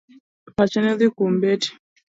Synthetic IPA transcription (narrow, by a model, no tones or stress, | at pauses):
pat͡ʃɛnɛðikumbeti̥